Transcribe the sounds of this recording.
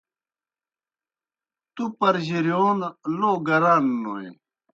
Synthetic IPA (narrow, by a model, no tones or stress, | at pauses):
t̪upɐɾʑiɾjoːnloːɡɐɾanːoḛ